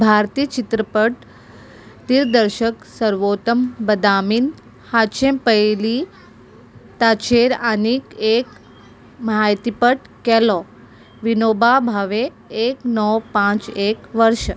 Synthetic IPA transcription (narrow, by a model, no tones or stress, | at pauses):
bʱaɾt̪iːt͡ʃit̪ɾəpəʈ | t̪iɾd̪əɾʃəksəɾʋot̪əmbəd̪amiːn | hat͡ʃẽmpəeli | t̪at͡ʃeɾanikek | məɦajt̪ipəʈ | kɛlɔ | ʋinobabʱaʋeː | knɔwpãt͡ʃekʋəɾʃ